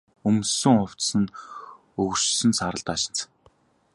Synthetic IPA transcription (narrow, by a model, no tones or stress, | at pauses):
ɵmsɵ̆ŋʊw̥t͡ssɘ̆n | ɵɣ̆r̥t͡ɕsɵ̆nsaɾə̆ɮt̪aːʃɪ̆n̥t͡sʰ